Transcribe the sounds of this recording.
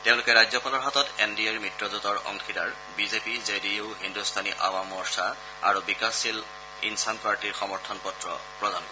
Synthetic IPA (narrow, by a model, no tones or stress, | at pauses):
teʊ̃lʊkɛɹajzɔpalɔɹɦatɔtendiaɹmɹitɹɔzutɔɹɔ̰ŋxʰidaɹ | bizepizediʊɦindustʰaniʔa̰wamɔɹsa | a̰ɹubikasil | ḭnsanpaɹtiɹxɔmɔɹtʰɔnpɔtɹɔ̰pɹɔdankɔ